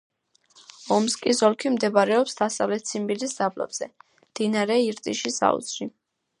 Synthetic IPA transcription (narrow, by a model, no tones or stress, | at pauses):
ɔmskʼisɔlˠkʰimd̪ɛbaɾɛɔpsd̪asavlɛt̪̚t̪sʰimbiliszablɔ̰bz̥ɛ | md̪̥inaɾɛiɾt̪ʼiʃisa̰ṵsɾi